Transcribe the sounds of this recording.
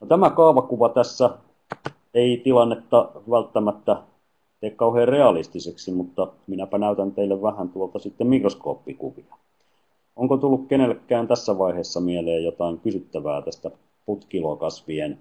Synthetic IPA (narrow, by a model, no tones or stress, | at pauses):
not̪æmækɑːʋɑkuʋɑt̪æsːæ | eit̪ilɑnːet̪ːɑʋælt̪ːæmæt̪ːæ | t̪eːkkɑuheːrreɑlist̪iseksimut̪ːɑminæpænæˑyt̪ænt̪eilːeʋʋæhænt̪uolt̪ɑsit̪ːemikrosko̰ːpːikuʋiɑ | oŋkot̪ulːukkenelkːæːnt̪æsːæʋɑiheːsːɑmieleːjjot̪ɑiŋkysyt̪ːæʋæ̰ːt̪æst̪æ | put̪kilokɑsʋien